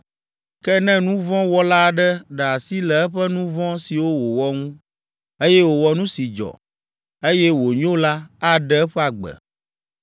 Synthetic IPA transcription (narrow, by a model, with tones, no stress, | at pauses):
kɛ˦nɛ̃˦nũ˦vɔ̃˦wɔ˦la˦˨ɖɛ˦ɖɛ˨a˨si˦lɛ˨ɛ˦ɸɛ˦nũ˦vɔ̃˦si˨wo˦wo˨wɔ˦ŋũ˦ | e˦jɛ˦wo˨wɔ˦nũ˦si˨d͡ʒɔ̰˨ | e˦jɛ˦wo˨ɲ˦o˦la˦a˦ɖɛ˦ɛ˦ɸɛ˦a˨ɡ͡bɛ̰˨